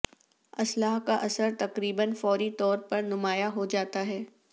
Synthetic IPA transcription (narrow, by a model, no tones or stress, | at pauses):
ɐslaːɦkaʔɐsəɾt̪ɐqɾiːbənfɔːɾit̪ɔːɾpɐɾnʊmaːjaɦod͡ʒaːt̪aɦɛː